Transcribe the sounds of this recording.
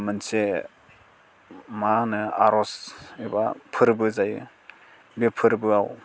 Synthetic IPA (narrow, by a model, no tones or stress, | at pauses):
mɯnse | manɯa̰ɾɔsiba̰pʰɯɾbɯzajɯ | bipʰɯɾbɯaw